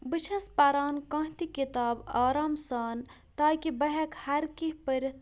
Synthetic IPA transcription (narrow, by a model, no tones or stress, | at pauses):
biʃɐspɐɾaːnkãːt̪ikit̪aːbaːɾaːmsaːn | t̪aːkibɐɦɐkhɐɾkiɦpɐɾɐt̪